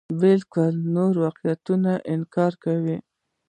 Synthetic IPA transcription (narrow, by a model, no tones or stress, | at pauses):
bɪlkʊlnoɾwɑqijat̪unaʔɪnkɑɾkawi